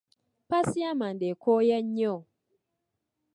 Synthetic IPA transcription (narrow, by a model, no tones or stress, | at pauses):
pasiamandekʰojɛɲeo